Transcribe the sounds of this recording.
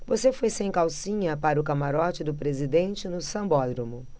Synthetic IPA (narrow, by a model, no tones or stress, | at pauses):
vosefojsẽj̃kawsĩɲɐpaɾʊkamaɾɔt͡ʃɪd̪ʊpɾezid̪ẽnt͡ʃɪnʊsɐ̃mbɔd̪ɾomʊ